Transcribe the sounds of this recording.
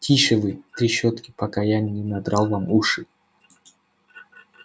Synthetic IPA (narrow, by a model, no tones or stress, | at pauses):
tʲiʃɨvɨt̪ɾʲiɕɔt̪kʲɪ̥pɐkajanʲːinɐd̪ɾalˠvamuʂɨ